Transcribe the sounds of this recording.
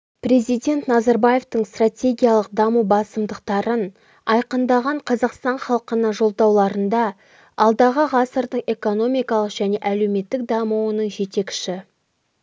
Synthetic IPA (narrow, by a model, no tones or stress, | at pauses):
pre̞zijdʲe̞nt̪nɑzɑɾbaje̞ft̪əɴst̪ratʲe̞ɡʲijalˠəqd̪ɑmubɑsəmd̪əqt̪ɑɾən | ɑjqənd̪ɑʁɑɴqʰɑzɑqst̪ɑɴχɑlˠəqənɑʒo̞lˠd̪ɑwlˠɑɾənd̪ɑ | ɑlˠd̪ɑʁəʁɑsəɾd̪əɴe̞ko̞no̞mijkɑlˠəqʒ̥æne̞ʔæle̞wme̞t̪ːɪk̚d̪ɑmuwənəɴʒe̞t̪e̞kʲɪ̥ʃɪ